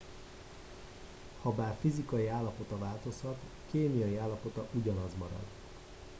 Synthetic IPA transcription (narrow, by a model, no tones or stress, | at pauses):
hɒbaːrfizikɒjiaːlːɒpo̞t̪ɒvaːlt̪o̞shɒt̪ | keːnijɒjiaːlːɒpo̞t̪ɒʔuɟɒnɒzmɒɾɒ̰d̪